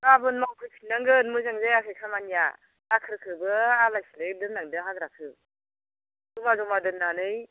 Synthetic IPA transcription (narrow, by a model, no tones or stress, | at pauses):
abɯnmawkʰɯjpʰinːaŋɡɯnmɯzaŋzajakʰɯjkʰamanija | akʰɯɾkʰɯɾbɯalajsledɯnːaŋdɯɦaɡɾakʰɯ | dɔmazɔmadɯnːanɯj